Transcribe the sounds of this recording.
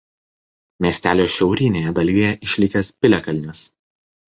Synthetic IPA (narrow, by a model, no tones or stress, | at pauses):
mʲiːsʲt̪ʲæːlʲoːʃʲɛʊɾʲiːnʲeːjɛd̪ɐlʲiːjɛʔɪʃʲlʲɪkʲɛspʲɪlʲɛkɐlʲnʲʊs